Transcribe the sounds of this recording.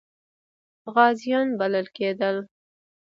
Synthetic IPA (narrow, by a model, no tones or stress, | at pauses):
ɣɑzijɑnbaləlked̪əl